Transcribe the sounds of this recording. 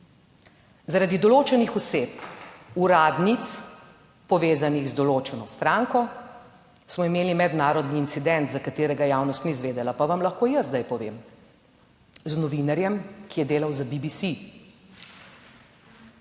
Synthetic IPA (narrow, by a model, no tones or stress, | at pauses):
zaɾad̪id̪ɔloːt͡ʃɛnixɔseːpuɾaːd̪nit̪s | pɔʋeːzaniɣzd̪ɔloːt͡ʃɛnɔst̪ɾaːŋkɔ | smɔimeːlimɛd̪naːɾɔd̪niːnt̪sid̪ɛnt̪zakat̪eːɾɛɡajaːwnɔst̪nizʋeːd̪ɛlapaʋamlaxkoːjəzd̪ajpɔʋḛːm | znɔʋinaɾjɛmkijɛd̪eːlawzabibisi